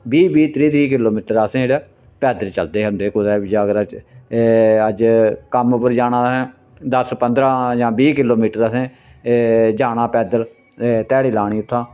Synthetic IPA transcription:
biːbiːt̪ɾiːt̪ɾiːkɪloːmiːʈəɾəsẽːeːɽɛː | pɛːd̪əlt͡ʃəld̪eːɦʊ̃nd̪eːkʊd̪ɛːbɪd͡ʒaːɡəɾə | əd͡ʒkəmʊpəɾd͡ʒaːɽãːsɛ̃ː | d̪əspənd̪ɾãːd͡ʒãːbiːkɪloːmiːʈəɾəsẽː | d͡ʒaːɽãːpɛːd̪əl | t̪ɛːɽiːlaːɽ̃iːʊt̪ʰːãː

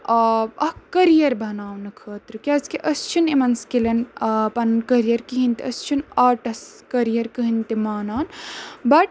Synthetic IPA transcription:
ɐhkɐɾijɐɾbʱɐnaːwnɨkʰəːt̪ɾɨkiɐzkeʔɐst͡ʃʰunemɐnskelɐnpɐnnkɐɾijɐɾkiɦint̪eʔɐst͡ʃʰunaːʈɐskɐɾijɐɾkɨɦint̪imaːnaːnbɐʈ̚

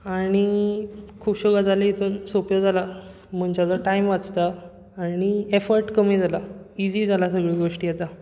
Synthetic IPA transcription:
aɽ̃i | kʰuːpɕuɡad͡zaleit̪ʰuːnsopjod͡zala | m̤əɳt͡ɕad͡zəʈaimʋat͡st̪a | aːɽ̃iefəɾʈkəmiːd͡zʱalaid͡ʑiːd͡zalasəɡɭiːɡoʂʈiːjet̪a

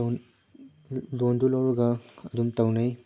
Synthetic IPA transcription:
londulɐwɾuɡɐɐdumtɐwnɐj

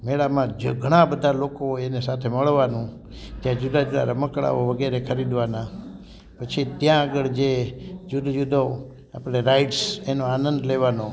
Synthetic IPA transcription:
meɭamãd͡ʒɡʱəɽ̃ãbəd̪ʱalokoenesat̪ʰeməɭʋanũ | t̪jãd͡ʒud̪ad͡ʒud̪a̰ɾaməkɭa̰ʋoʋəɡeɾekʰəɾid̪ʋana | pət͡ʃʰit̪jãːɡəɭd͡ʒed͡ʒud̪d͡ʒud̪ʱo | a̰pɽ̃eɾaiʈsenoanənd̪leʋano

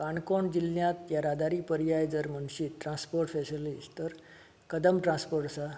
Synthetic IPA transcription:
kaɳkɔɳd͡ʑilːjãt̪jaɾad̪aɾiːpəɾijajd͡zəɾmənɕiːʈɾãspoɾʈfesilist̪əɾ | kəd̪əmʈɾãnspoɾʈsa

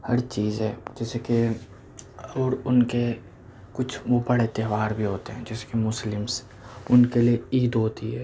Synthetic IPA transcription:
hɐɾt͡ʃiːzɦɛːd͡ʒɛːseke | ɔːɾʊnke | kʊt͡ʃʰʋobɐɽet̪eːʋaːɾbʱiɦoːt̪eɦɛ̃ːd͡ʒɛːse̥kemʊslɪms | ʊnkelieiːd̪ɦoːt̪iɦɛː

